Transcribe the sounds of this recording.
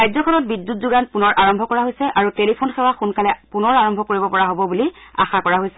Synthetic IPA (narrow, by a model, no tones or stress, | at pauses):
kajzɔkʰɔnɔt̚bidːut̚zuɡanpunɔɹʔaɹɔmbʱɔkɔɹaɦojsɛʔaɹutelipʰonxɛwaxunkalɛpunɔɹaɹɔmbʱɔkoɹibɔpɔɹaɦobɔbulia̰xakɔɹaɦojsɛ